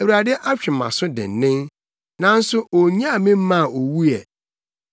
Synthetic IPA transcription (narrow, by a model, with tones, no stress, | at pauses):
e˨wu˨ɾa˨dɪ˦ʔa˦t͡ɕᶣɪ˨mã̰˨sʊ˦dɪ̰̃˨n˨nɪ̃˦n | nã˨n̩˦sʊ˦o˨ɲ˦ã˦˨mɪ̃˦m̩˦mã˦˨o˨wu˦jɛ̰˨